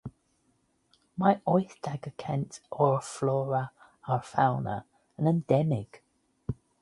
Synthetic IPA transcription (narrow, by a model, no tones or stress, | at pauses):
maɪʔɔɪθd̥aɡəkʰɛ̃ntʰʔəɹflɔːɹə | əɹfaʊnə̰ | ə̃nə̃ndɛmɪɡ̥